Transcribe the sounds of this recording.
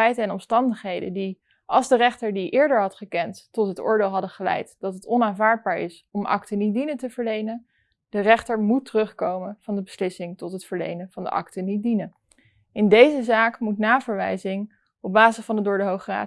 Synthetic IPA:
ɛjtɛnɔmstɑndəχɦejdə̰ndi | ʔɑlˠzdərɛχtəɹdiʔɪːɹdəɹɦɑtχəkɛnttɔtɦətʊ̰ːɹdeːlˠɦɑdəχəlɛ̰jtd̥ɑtɦətɔnaːnvaːɹd̚baːɹɪ̰s | ɔmʔɑ̰ktənit̚dinəntəvəɹlejnən | d̥ərɛχtəɹmutərɵχkowmənv̥ɑndəbəslɪsɪŋtɔtɦətfəɹlḛjnənv̥ɑndə̰ʔɑ̰ktənit̚dinən | ɪndejzəzaːkmutnaːvəɹʋɛjzɪŋ | ɔb̚baːzəsfɑndədʊːɹdəɦowχra̰ː

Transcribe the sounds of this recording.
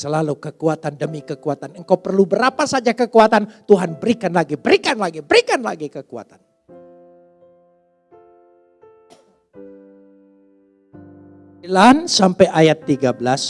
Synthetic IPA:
səlalukəkuat̪andəmikəkuat̪anəŋkawpərlubəɾapasad͡ʒakəkuat̪ant̪uɦanbəɾikanlaɡibəɾikanlaɡibəɾikanla̰ɡikəkua̰t̪an | lansampɛjʔajat̪ːiɡabəlas

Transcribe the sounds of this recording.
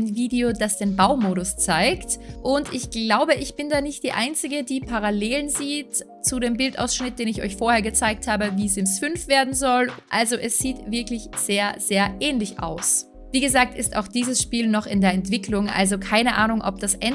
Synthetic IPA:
nviːdeodasd̥eːnbaʊmoːɾʊst͡saɪktʔʊntɪçɡ̥laʊbəʔɪçb̥ɪndaːnɪçt̚d̥iːʔa̰ɪnt͡sɪɡədiːpʰaʁ̞aleːlənziːt | t͡suɾeːmbɪlta̰ʊsʃnɪt̚d̥eːnɪçɔ̰ʏçfoːɐheːɐɡət͡saɪkthaːbəviːzɪmsfʏnfv̥eːɐdn̩zɔlʔalzoʔɛsz̥iːtv̥ɪɐklɪç | z̥eːɐz̥eːɐʔɛːnlɪça̰ʊs | viːɡəzaːk̚tɪsta̰ʊxd̥iːzəsʃpiːlnɔχɪndeːɐɛntv̥ɪklʊŋʔa̰lzokʰaɪnəʔa̰ːnʊŋʔɔ̰p̚d̥asʔɛn

